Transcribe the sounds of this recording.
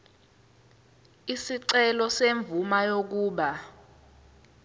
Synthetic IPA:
isiǀɛlɔseɱb̪vumajok̬uːɓa

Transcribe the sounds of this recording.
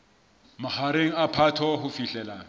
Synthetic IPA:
mahaɾeŋ̩apʰatʰɔɦʊfiɬɛːlaŋ̩

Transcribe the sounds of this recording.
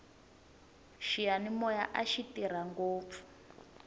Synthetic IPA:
ʃijanimɔjaʔaʃitiɾ̤aŋɡoːp̪fu̥

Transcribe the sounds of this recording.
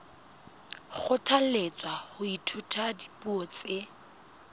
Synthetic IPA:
k͡xʰʊtʰalet͡sʼwahʊitʰutʰadi̥puɔt͡sʼe

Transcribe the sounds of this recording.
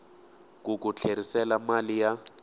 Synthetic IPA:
kukut͡ɬʰeɾisɛlamalija

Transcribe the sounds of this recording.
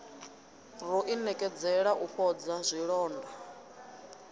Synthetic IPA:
rɔʔinɛkʼɛd͡zɛɺaʔuɸʰɔd͡zazʷiɺɔːnda

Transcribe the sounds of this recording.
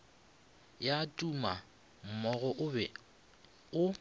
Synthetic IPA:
jatʼuma | m̩mɔɣɔʔbɛ | ʊ

